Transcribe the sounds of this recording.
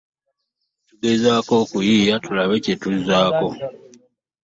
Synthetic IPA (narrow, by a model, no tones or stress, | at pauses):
tuɡezaːko̞ːkujiːjatulaβecetuzaːko̞